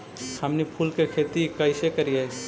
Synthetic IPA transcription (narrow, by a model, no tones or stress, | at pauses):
samnipʰuːlkekʰeːt̪ikəɪsekəɾije